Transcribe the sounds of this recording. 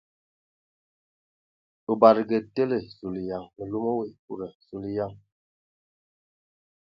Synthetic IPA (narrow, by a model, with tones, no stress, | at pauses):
u˨ba˨ɾi˨ɡe˨te˦le˨su˨li˨ja˨ŋmə˨lu˦mo˦we˨kṵ˦˨ɾɛ˨su˨li˦ja˦ŋ